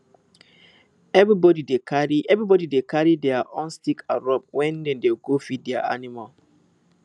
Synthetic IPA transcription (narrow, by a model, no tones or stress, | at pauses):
ɛvibɔdidekʰaɹiʔɛvɹibɔdidekʰaɹidɛaʔɔ̃nstikʰa̰ɹɔp̚wɛ̃ndɛ̃ndeɡofidɛa̰a̰nimal